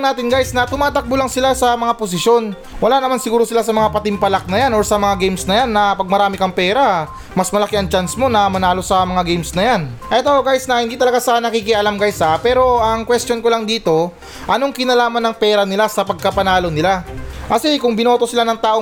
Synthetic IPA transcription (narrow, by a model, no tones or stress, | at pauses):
naːt̪ɪnɡajsnɐt̪ʊmaːt̪ɐk̚bolaŋsɪlasɐmɐŋapos̬ɪʃjo̞n | wɐlaːnɐmansɪɡuːɾo̞sɪlasɐmɐŋapɐt̪ɪmpɐlak̚nɐjano̞ɹsɐmɐŋaɡejmsnɐjanːɐpɐɡ̚mɐɾaːmɪkɐŋpɛːɾa | mɐsmɐlɐkiɐŋt͡ʃansmo̞nɐmɐnaːlo̞sɐmɐŋaɡɛjmsnɐjanʔɛt̪oʔoɡajsnɐhɪnd̪iːt̪ɐlɐɡasanɐkikɪʔɐlamɡajsapɛːɾo̞ʔɐŋkwɛst̪jo̞nkolaŋd̪iːt̪o̞ | ʔɐno̞ŋkɪnɐlaːmɐnːɐŋpɛːɾɐnɪlasɐpɐɡ̚kɐpɐnaːlo̞nɪlakɐsɛkʊŋbɪno̞ːt̪o̞sɪlanɐŋt̪aːʔo